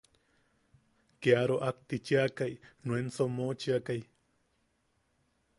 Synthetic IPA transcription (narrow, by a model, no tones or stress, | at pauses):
keaɾoʔak̚t̪it͡ʃiakajnwensomot͡ʃiakaj